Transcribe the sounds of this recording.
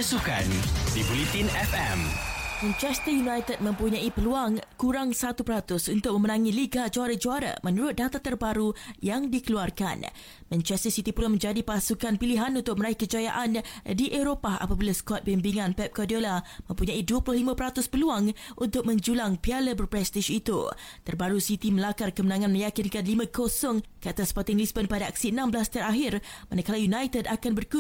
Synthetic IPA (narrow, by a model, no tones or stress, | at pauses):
əsukandibulit̪inɛfɛ̰mmɛ̃nt͡ʃɛst̪əjunãjt̪əd̚mə̃mpuɲãipəluaŋkuɾaŋsat̪upəɾat̪ʊsunt̪ʊk̚mə̃mənãŋiliɡad͡ʒoaɾad͡ʒuaɾa̰mə̃nuɾʊt̪̚dat̪at̪ərbaɾujaŋdikəluarka̰n | mɛ̃nt͡ʃɛst̪əsit̪ipulamə̃ɲd͡ʒadipasukanpiliɦanunt̪ʊk̚məɾaihkəd͡ʒajaʔandiʔeɾopaa̰pabilaskɔt̪̚bimbiŋãnpɛp̚kɔdiolamə̃mpuɲãiduəpulʊhlimãpəɾat̪ʊspəluaŋʔunt̪ʊk̚mə̃ɲd͡ʒulaŋpialəbərpɾɛst̪iʃit̪ṵt̪ərbaɾusit̪iməlakarkəmənãŋãnmə̃jakinkanlimãkosɔŋkəat̪aspɔt̪ɪŋlisbənpadaaksiənãmblast̪əɾaɦɪrmanakalajunajt̪ədakanbərk